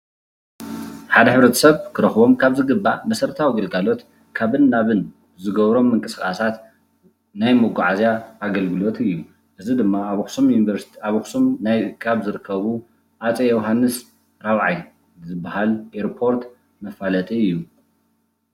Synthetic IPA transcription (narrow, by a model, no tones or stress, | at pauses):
ħad̪ɐħɨβɾɐt̪ʰɐ̥sɐβkʰɨɾɐxbo̞mkʰaβzɨɡɨbːamɐsɐɾt̪ʰawiɡɐlɡalo̞t̪ | kʰaβɨnːaβɨn | zɨɡɐβɾo̞mːɨŋkʼɨsxʼasat̪ | najmoɡʷaʕazjaːɡɐlɡɨlo̞t̪ʰɨjːu | ʔɨzid̪ɨmːaxsumjunivɐɾsaβxsumkʰaβzɨɾɨkʰːɐβu | ʔat͡sʼejɛwɦanːɨs | ɾawʕaj | zɨbːahalʔeɾpʰo̞ɾt̪ | mɐfalɐt̪ʼiɨjːu